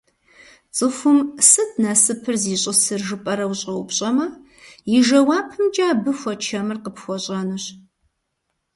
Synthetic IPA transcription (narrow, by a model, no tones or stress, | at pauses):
t͡sʼɨxʷʊmsɨtʰnasɨpʰɨrziːɕʼɪsɨrʒɨpʼɐɾɐwɕʼɐwʊpɕʼɐmɐ | jɪʒɐwaːpʰɨmd͡ʒʼaːbɨxʷɔt͡ʃʰɐmɨrqəpxʷɔɕʼɐnɨɕ